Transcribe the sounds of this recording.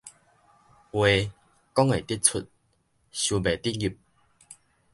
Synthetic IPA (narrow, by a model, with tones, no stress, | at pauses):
we˨˧ | kɔ˦ŋe˨t̪i˦˥t̚t͡sʰu˨t̚ | ɕu˨˩be˨t̪i˦˥t̚ɡi˨˩p̚